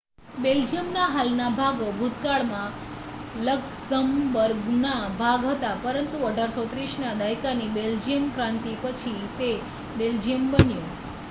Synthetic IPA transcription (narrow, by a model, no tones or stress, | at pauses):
beld͡ʒiəmnaɦalnabʱaɡobʱut̪kaɭmã | lək | səmʋəɾɡnabʱaɡɦət̪apəɾənt̪uəɖʱaɾsot̪ɾiʃnad̪ajkanibeld͡ʒijəmkɾãnt̪ipət͡ʃʰit̪e | beld͡ʒijəmbənjõ